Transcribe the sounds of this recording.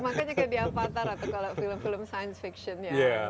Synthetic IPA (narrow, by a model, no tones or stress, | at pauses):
makanɲakədiafat̪aɾat̪awkalawfiləmfiləmsajənsfikʃɔnjaja